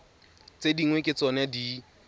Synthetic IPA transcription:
t͡sediŋwekʼɪt͡sɔnɪadi

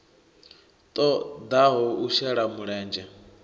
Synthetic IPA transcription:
t̪ʼɔd̪aɦɔuʃɛɺamuɺɛːnd͡ʒɛ

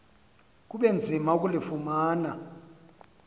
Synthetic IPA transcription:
k̬uɓend͡zʱimauk̬ʼulifumaːna

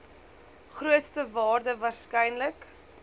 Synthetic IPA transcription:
χruətstəvɑːrdəvɑːrskɛjnlək

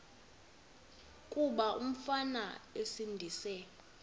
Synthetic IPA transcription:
kʼuɓaʔum̩fanaesindʱisɛ

